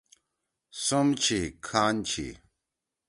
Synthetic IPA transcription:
sumt͡ɕʰikʰaːnt͡ɕʰḭ

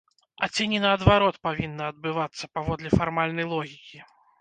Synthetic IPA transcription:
ɐ̰t͡sʲɛnʲinɐːd̪vaɾɔt̪pavʲinːɐɐd̪̚bɨvat̪sːɐpavɔd̪lʲɛfarmalʲnɐjlˠɔɣʲikʲi

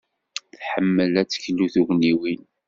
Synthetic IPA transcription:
θħəmːəlæt͡sːə̥çlːuθuɣniwin

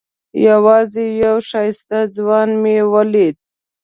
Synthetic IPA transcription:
jawɑzejawʃɑjst̪azwɑnmewəled̪̚

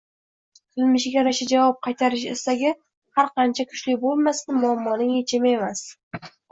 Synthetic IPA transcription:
qʰɪlmɪʃɡʲaɾaʃad͡ʒavɒp̚qʰɑjt̪ʰaɾɪʃ̬est̪aɡʲɪ | haɾqʰɑnt͡ʃʰakʰʊ̥t͡ʃlɪkʲbolˠmasɪmʊamːɒnɪŋet͡ʃʰɪme̞mas

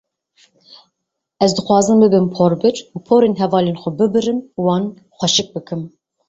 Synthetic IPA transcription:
ɛzd̪ɨxwɑːzɨmbɨbɨmpʰoːɾbɨɾupʰoːɾeːnɦɛvɑːleːnxʷɛbɨbɨɾɨmuwɑːn | xʷɛʃɨk̚bɨkʰɨm

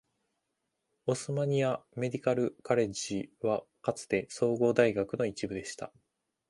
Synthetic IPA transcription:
osɨmaɲ̟iame̞d̪ʲikaɾɯ̟kaɾe̞d͡ʑiβakat͡sɨ̥t̪e̞so̞ːɡo̞ːd̪aiɡakɯ̟no̞it͡ɕibɯ̟d̪e̞ɕi̥t̪a̰

